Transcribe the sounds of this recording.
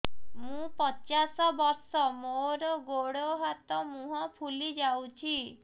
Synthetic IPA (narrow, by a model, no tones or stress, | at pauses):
mũpɔt͡ʃasɔbɔɾsɔmoɾɔɡoɽoɦat̪ɔmũɦɔpʰulid͡ʒawt͡ʃʰi